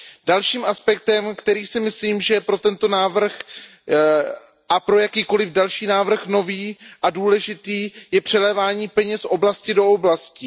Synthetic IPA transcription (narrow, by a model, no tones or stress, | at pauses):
d̥alʃiːmʔaspɛk̚t̪ɛmkt̪ɛɾiːsɪmɪsliːmʒɛpɾo̞t̪ɛnt̪o̞naːvr̩x | ʔapɾo̞jakiːko̞lɪvdalʃiːnaːvr̩xno̞viːʔaduːlɛʒɪt̪iːjɛpr̝̥ɛlɛːvaːɲiːpɛɲɛsʔo̞blascɪdo̞oblascɪ